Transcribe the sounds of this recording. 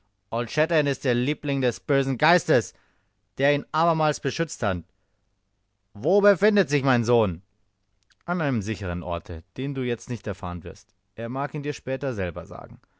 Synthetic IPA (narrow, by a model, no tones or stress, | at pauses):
ʔɔltʃɛtɛnɪst̚d̥eːɐliːplɪŋdɛsb̥øːzn̩ɡaɪstəs | d̥eːɐiːnʔaːbɐmaːlsb̥əʃʏt͡sthat | voːbəfɪndətz̥ɪçmaɪnzoːn | ʔanʔaɪnəmzɪçəʁ̞ənʔɔ̰ɐtʰə̰d̥eːnduːjɛt͡stnɪçtɛɐfa̰ːʁənvɪɐst | ʔeːɐmaːkiːndiːɐʃpɛːtɐzɛlbɐ̰za̰ːɡŋ̩